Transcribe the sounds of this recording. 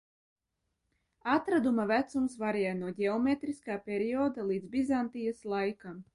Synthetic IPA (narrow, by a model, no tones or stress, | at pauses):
at̪ɾad̪umavæt̪sumsvaɾʲjajnuɔɟʲɛɔmʲet̪ɾiskaːpʲeɾʲiɔːd̪alˠiːd̪zbʲizant̪ijaslˠajkam